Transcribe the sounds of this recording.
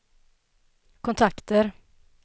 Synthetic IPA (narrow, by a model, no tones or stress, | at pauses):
kʰʊnt̪ʰakt̪əɾ